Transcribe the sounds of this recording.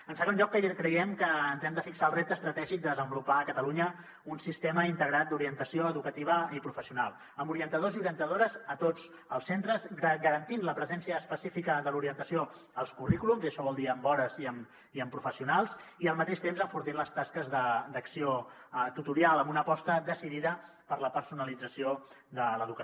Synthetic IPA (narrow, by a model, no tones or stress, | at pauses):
ənsəɣounʎɔkːəkɾəjɛmkəːnzɛmd̪əfiksaəlˠrɛp̚t̪əst̪ɾət̪ɛʒik̚d̪əðəzəmbulupakət̪əluɲə | unsist̪eməint̪əɣɾat̪̚d̪uɾiənt̪əsioəðukət̪iβ̞əipɾufəsiunalˠ | əmuɾiənt̪əðoziuɾiənt̪əðoɾəzət̪od͡z | əlˠsent̪ɾəzəɡəɾənt̪inləpɾəzɛnsiəːspəsifikəðəluɾiənt̪əsio | əlˠskurikulumziəʃɔβɔlˠd̪iəmbɔɾəziəm | iəmpɾufəsiunalˠziəlˠmət̪eʃt̪emzəɱfuɾt̪inləst̪askəzðəd̪əksiot̪ut̪uɾialˠəmbunəpɔst̪əd̪əsiðiðə | pəɾləpəɾsunəlid͡zəsio | d̪ələðukə